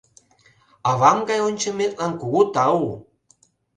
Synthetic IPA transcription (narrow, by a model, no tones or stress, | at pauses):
ɑβɑmɡɑjonʲt͡ɕə̆met̪̚lɑnkuɣut̪ɑu